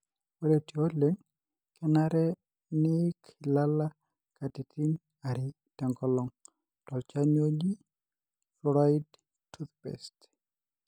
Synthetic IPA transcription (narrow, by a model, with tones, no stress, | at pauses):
o˦ɾe˨ti˨o˦leŋ | kɛ˦naɾɛ˦ | nɪkʰɪ˨la˦la | ka˨ti˨tʰi˦n | aɾɪ˨ | tɛ˨ŋkɔlɔ˨ŋ | tɔ˨lt͡ʃa˦no˦ɡi˦ | fɔɾajd | tʰːutpɛ̰st